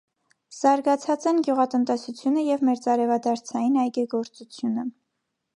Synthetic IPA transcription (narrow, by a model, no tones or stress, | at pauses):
z̥ɑɾɡɑt͡sʰɑt͡sɛnɡjuʁɑt̪ənt̪ɛsut͡sʰjunəjɛvmɛɾt͡sɑɾɛvɑd̪ɑɾt͡sʰɑjinɑjɡɛɡɔɾt͡sut͡sʰjunə